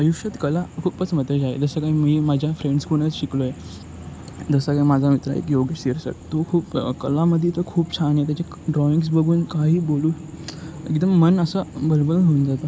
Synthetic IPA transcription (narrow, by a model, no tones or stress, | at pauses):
əjukʂət̪kəlakʰuːpət͡sm̤ət̪əd͡ʑaḛd͡zəsəkaimiːmad͡ʑʱjafɾeɳɖskoɽ̃ət͡sɕikloje | d͡zəsəkaimad͡zʱamit̪ɾa̰ḛkjoɡeɕeɾsə̰ʈt̪okʰuːpkəlaməd̪ʱːet̪okʰuːpt͡ɕʰanjet̪̬jat͡ɕe | ɖɾɔiŋɡs̬bəɡʱuːnkaɦiːboluː | eɡd̪əmːənəsəbəɾbəɾɦound͡zat̪a